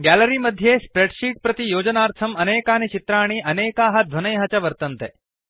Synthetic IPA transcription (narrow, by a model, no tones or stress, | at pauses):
ɡæləɾimɐd̪ʱjespɾeʈʃiːʈ̚pɾɐt̪ijoːd͡ʒənaːɾt̪ʰɐmɐneːkaːnit͡ʃit̪ɾaːɽ̃iʔɐneːkaːɦɐd̪ʱʋɐnɐjɦɐt͡ʃɐʋəɾt̪ɐnt̪e